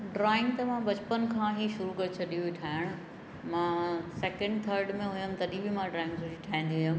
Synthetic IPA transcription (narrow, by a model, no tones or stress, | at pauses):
ɖɾaːɪ̃ŋɡt̪ɐmãbɐt͡ɕpənkʰãːɦiːʃʊɾukɐɾt͡ɕʰɐɗijũʋiʈʰaːɦɪɽ̃ʊ | mãːsɛːkə̃ɳɖt̪ʰəːɾɖmẽɦʊjəmt̪ɐɗibɪmãɖɾaːɪ̃ŋɡsʊd͡ʑiʈʰaːɦĩn̆d̪iɦʊ̃jəm